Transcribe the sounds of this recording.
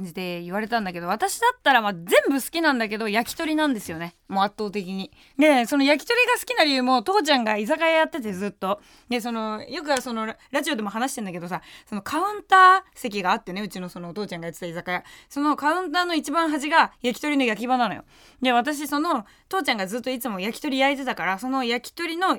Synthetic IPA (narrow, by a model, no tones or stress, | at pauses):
ɲ̟d͡ʑid̪e̞iβaɾe̞t̪ãnd̪ake̞d̪o̞βat̪aɕid̪at̪ːaɾamazẽ̞mbɯ̟sɨ̥kʲinãnd̪ak̬e̞d̪o̞jakʲi̥t̪o̞ɾʲinãnd̪e̞sɨjo̞ne̞ | mo̞at̪ːo̞ːt̪e̞kʲiɲ̟i | d̪e̞so̞no̞jak̬ʲi̥t̪o̞ɾʲiɡasɨ̥kʲinaɾʲiɯ̟ːmot̪o̞ːt͡ɕãŋɡaizakajajat̪ːe̞t̪e̞zɨt̪ːo̞ | d̪es̬o̞no̞jo̞k̬ɯ̟aso̞no̞ɾaʑio̞d̪e̞mo̞ɦanaɕi̥t̪end̪ake̞d̪o̞saso̞no̞kʰaɯ̟̃nt̪aːse̞kʲiɡaːt̪ːe̞ne̞ɯ̟t͡ɕino̞sonot̪o̞ːt͡ɕãŋɡajat̪ːet̪aizakajaso̞no̞kaɯ̟̃nt̪aːno̞it͡ɕibãɰ̃ɦaʑiɡajakʲi̥t̪o̞ɾʲino̞jak̬ʲibananojo̰ | d̪eβ̞at̪aɕ̬iso̞no̞ | t̪o̞ːt͡ɕãŋɡazɨt̪ːo̞it͡sɨmo̞jakʲi̥t̪o̞ɾʲijait̪̬e̞t̪akaɾaso̞no̞jakʲi̥t̪o̞ɾʲino̞